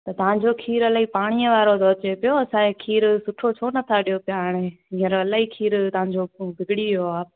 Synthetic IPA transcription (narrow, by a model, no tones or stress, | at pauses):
t̪ɐt̪ɐʋãɲd͡ʑokʰiːɾɐlaːɦipaːɽ̃iəʋaːɾod̪oːɐt͡ɕepɪjoɐsãẽkʰiːɾsʊʈʰot͡ɕʰoːnɐt̪ʰaɗijopɪjaːɽ̃eɦĩːəɾɐlaːɦiːkʰiːɾt̪ɐɦãɲd͡ʑoːbʱɪɡɪɽioaː